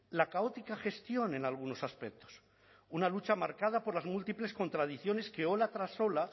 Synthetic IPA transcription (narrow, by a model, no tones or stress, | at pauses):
lakao̞t̪ikaxe̞st̪jo̞ne̞nalɣ̞uno̞saspek̚t̪o̥s | unalut͡ʃamaɾkað̞apo̞ɾlazmult̪iple̞sko̞nt̪ɾað̞iθjo̞ne̞ske̞o̞lat̪ɾaso̞la